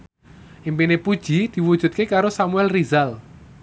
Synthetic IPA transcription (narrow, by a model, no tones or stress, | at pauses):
ʔimpinepud̥ʒ̥id̪̥i̤wud̥ʒ̥ṳt̪̚kekaɾosamuɛlrizal